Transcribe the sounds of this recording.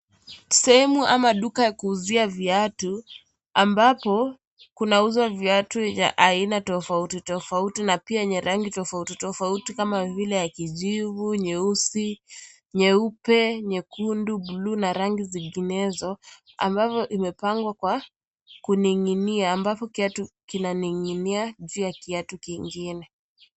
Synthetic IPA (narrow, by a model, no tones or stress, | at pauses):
sɛhɛmuʔamaɗukajakuːziavjatu | ambapɔ | kunauzwavjatua̰ʔainatɔfautitɔfautinapiaɲɛɾʔaŋɡitɔfautitɔfautikamavilɛjakiʄivuɲɛusi | ɲɛupɛɲɛkundubluːnaɾaŋɡiziŋɡinɛzɔ | a̰mbavɔʔimɛpaŋɡwakwa | kuniŋiniaːmbapɔkiatukinaniŋiniaʄuːjakiatukiŋɡinɛ